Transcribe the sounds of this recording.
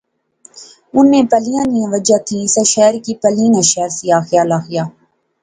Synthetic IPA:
ʊnːẽːpəlijãːniãʋəd͡ʒaːt̪ʰiːsəʃɛːɾkiːpəlĩŋãʃɛːɾsiaːxɪjaːlaːxɪjaː

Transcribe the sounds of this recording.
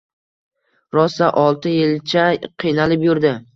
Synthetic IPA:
ɾɒsːaʔɒlˠt̪ɪjɪlt͡ʃʰaqʰijnalɪpjʊɾd̪ɪ

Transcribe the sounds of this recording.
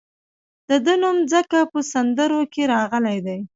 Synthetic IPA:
d̪̥əd̪ənumd͡zəkapəsand̪əɾokeɾɑɣəlajd̪aj

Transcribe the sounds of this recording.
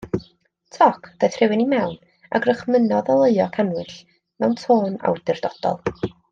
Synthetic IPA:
tʰɔkʰd̥ajθrɪwɪnimɛwn | a̰ɡrəχmənɔðalˠəɨɔkʰanlɨɬ | mɛwntʰoːna̰wd̥ɨrd̥ɔd̥ɔ̰lˠ

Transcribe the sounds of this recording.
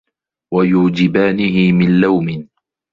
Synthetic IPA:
wajuːd͡ʒɪbaːnɪɦɪmɪnlawmɪ

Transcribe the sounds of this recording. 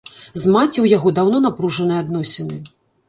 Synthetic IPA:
zmat͡sʲiwjaɣɔd̪awnɔnapɾuʐɐnɨjɛad̪nɔsʲɛnɨ

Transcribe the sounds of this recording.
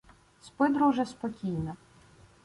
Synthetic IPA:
spɪd̪ɾuʒɛspɔkʲijnɔ

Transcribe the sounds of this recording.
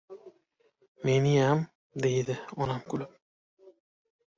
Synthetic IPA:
menijam | d̪ejd̪ɪɒnamkʊlɪm

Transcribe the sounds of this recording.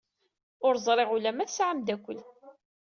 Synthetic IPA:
ʊɾzˤɾˤeʁulæmæθsʕəmd̪ækʷəl

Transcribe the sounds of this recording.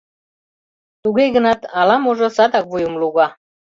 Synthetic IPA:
t̪uɣejɣə̆nɑt̪ɑlɑmuʒŏsɑd̪ɑk̚vujumluɣɑ

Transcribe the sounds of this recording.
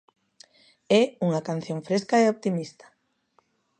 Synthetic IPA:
ɛuŋɐkan̟θjoŋfɾeskaeopt̪imist̪ḁ

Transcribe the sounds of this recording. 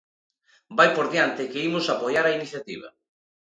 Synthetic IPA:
bajpoɾðiant̪ɪkeimʊsapojaɾainiθjat̪ḭβ̞ɐ̰

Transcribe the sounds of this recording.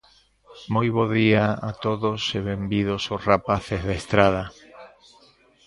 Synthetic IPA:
mojβ̞oðiaat̪oðoseβembiðososrapaθezðaest̪ɾað̞a

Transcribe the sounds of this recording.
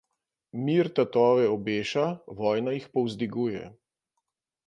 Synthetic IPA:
miːɾt̪at̪ɔːʋɛɔbeːʃaʋɔːjnajixpɔwzd̪iɡuːjɛ̰

